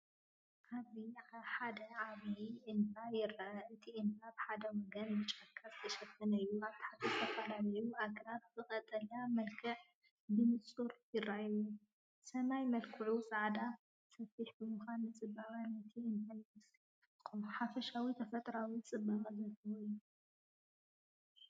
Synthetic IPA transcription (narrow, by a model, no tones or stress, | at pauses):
kʰaβiħad̪ɐʕaβjiʔɨnt̪ajɪrːaʔɐɨt̪ʰiʔɨnt̪abħad̪ɐwɔɡɐnbɨt͡ʃʼɐkʰːazɨt̪ʰɐʃɐt̪ʰːɐnɐɨjːuaβt̪ʰi̥ħat̪ʰɨt̪ʰɐfɐlalɐjuʔakʰɐlat̪̚zɨkʼɐt̪ʼɐlamɐlkʰɨħ | bɨmɨsʼuɾjɪrːajju | sɐmajmɐlkʰɨʕusʼaʕd̪a | sɐfiħbɨmɨxanɨt͡sʼɨbaβanɐt̪ʰiɨnt̪ʰans | kʼuħafɐʃawit̪ʰɐfɐt̪ʼɾawit͡sʼɨbːaχʼɐzɐt̪ʰɨwojːu